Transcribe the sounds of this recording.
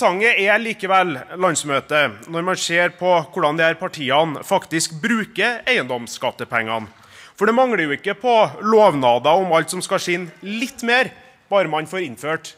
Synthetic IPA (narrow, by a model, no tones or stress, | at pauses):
ɑŋːəɛliːkəʋɛlːlɑnsmøːt̪ənɔɾmɑnseːɾpʰɔkʰʊɖɑnd̪ɛæɾpʰɑʈʰiːɑnfɑkt̪ɪskbɾʉːkəæɪənd̪ɔmskɑt̪ːəpʰɛŋːɑ̰n | fɔɖɛmɑŋɽəjʊɪkːəpʰɔloːʋnɑːd̪ɑɔmɑlt̪sɔmskɑʂɪnːlɪt̪ːmeːɾ | b̥ɑːɾəmɑnfoːɾɪnføːʈ